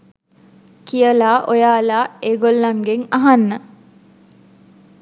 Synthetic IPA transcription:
kijəlaːʔojaːlaːeːɡolːaŋɡeŋaɦanːə

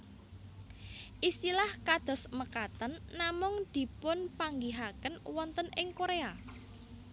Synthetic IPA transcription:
ʔist̪ilahkad̪̥ɔ̤sməkat̪ənːamʊŋd̪̥i̤pʊnpaŋɡiɦakənwɔnt̪ənɪŋkoɾea

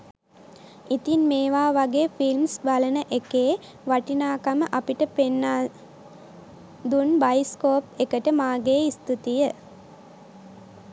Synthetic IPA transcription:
it̪inmeːʋaːʋaɡeːfilmsbalənəʔekeː | ʋaʈinaːkaməʔapiʈəpenːaː | d̪unbajiskoːpekəʈəmaːɡeːist̪ut̪ijə

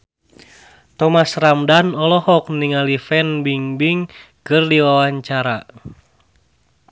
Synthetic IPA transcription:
t̪ɔmasramdanɔlɔhɔk̚niŋalifɛnbiŋbiŋ | kɨrdiwawaɲt͡ʃaɾa

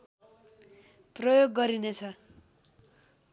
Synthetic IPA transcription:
prʌjoɡːʌɾinet͡sʰʌ

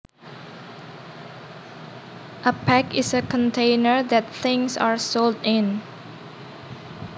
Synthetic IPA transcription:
ʔəpʰɛkɪsəkʰə̃ntʰẽɪnəɹdɛt̚θɪ̃ŋsaɹsoldɪ̃n

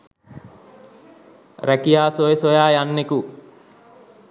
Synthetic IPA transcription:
ɾækijaːsojesojaːjanːeku

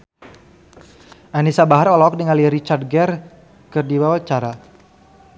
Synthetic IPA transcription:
ʔanisabaɦarɔlɔɔk̚diŋaliɾit͡ʃard̚ɡɛr | kərdiwawat͡ʃaɾa

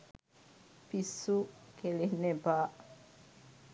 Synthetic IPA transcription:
pisukelihnebaʔ

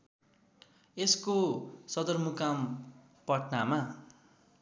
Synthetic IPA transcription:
eskosʌd̪ʌrmukam | pʌʈnama

